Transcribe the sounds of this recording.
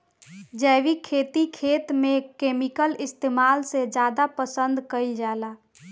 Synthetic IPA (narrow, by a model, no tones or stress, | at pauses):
d͡ʒɛːʋikʰeːt̪ikʰeːt̪mẽkeːmikəlɪst̪eːmaːlsed͡ʒjaːd̪apəsə̃nd̪kəid͡ʒaːlaː